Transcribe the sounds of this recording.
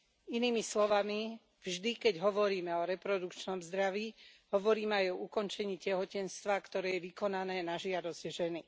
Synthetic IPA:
iniːmislɔʋami | vʒd̪ikɛɟɦɔʋɔɾiːmɛɔɾɛpɾɔd̪ukt͡ʃnɔmzd̪ɾaʋiːɦɔʋɔɾiːmɛajɔukɔnt͡ʃɛɲiːcɛɦɔcɛnst̪ʋakt̪ɔɾɛːjɛʋikɔnanɛːnaʒɪad̪ɔzɟʒɛni

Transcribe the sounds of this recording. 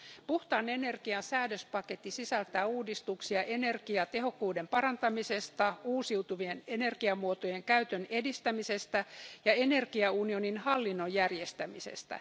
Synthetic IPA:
puht̪ɑːne̞ne̞rkiɑnsæːdøspɑket̪ːisisælt̪æːuːdist̪uksiɑʔe̞ne̞rɡiɑt̪e̞ɦo̞kːuːde̞mpɑɾɑnt̪ɑmise̞st̪ɑuːsiut̪uʋiene̞ne̞rɡiɑmuot̪oje̞ŋkæyt̪øne̞dist̪æmise̞st̪æjɑenerkiɑunio̞ninhɑlːinːojːærje̞st̪æmisḛst̪æ̰

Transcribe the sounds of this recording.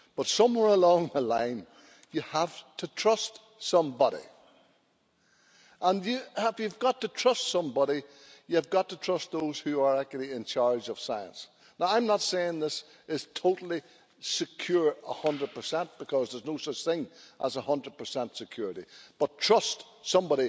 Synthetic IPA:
b̥ʌtsʌ̃mwɛɹəlɔ̃ŋðəlãɪ̃n | jəəftʰətʰɹ̥ʌst | sʌ̃mbɑɾḭ | ʔə̃njɨɪfjɨvɡɑtətʰɹ̥ʌstsʌ̃mbɑɾi | jɨvɡɑtʰətʰɹ̥ʌst̪̚ðoʊz̥hʉə˞ak̚t͡ʃl̩ˠiɪ̃nt͡ʃʰaɹd͡ʒʌv̥saɪə̰̃ns | naʊãɪ̃mnətseɪɪ̃ŋðɪs | ɪz̥tʰoʊɾl̩ˠi | sɨkʰj̥ʊɹə̰hʌ̃ndɹəd̚pə˞sɛ̃nʔb̥ɨkʰʌzðə˞znoʊsʌt͡ʃθɪ̃ŋʔəzəhʌ̃ndɹəd̚pʰə˞sɛ̃ntsɨkʰj̥ʊɹɨɾḭb̥ʌtʰɹ̥ʌst | sʌ̃mbɑɾi

